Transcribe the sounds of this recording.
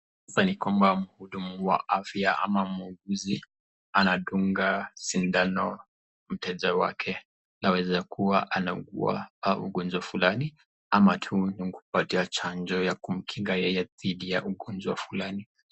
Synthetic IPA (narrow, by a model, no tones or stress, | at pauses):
asanikwambam̩huɗumuwa̰ʔafjaʔa̰mamuɡuzi | anaɗuŋɡasindanɔ | m̩tɛʄawa̰kʰɛ | nawɛzakʰuwaʔanauɡua̰ṵɡɔnd͡ʒwafulani | amatʰuniŋku̥patiat͡ʃand͡ʒɔjakum̩kʰiŋɡajɛjɛðiɗijaʔuɠɔnd͡ʒwafulani